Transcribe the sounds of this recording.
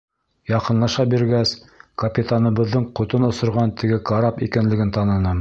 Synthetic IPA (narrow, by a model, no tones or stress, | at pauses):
jɑqɤ̆nlˠɑʃɑbiɾɡæs | kɐpʲit̪anɤ̆βɤ̆ðːɤɴqŏt̪onŏsŏɾʁɑnt̪ɘ̆ɡɘkɐɾɑpikɘ̆nlɘ̆ɡɘnt̪ɑnɤ̆nɤ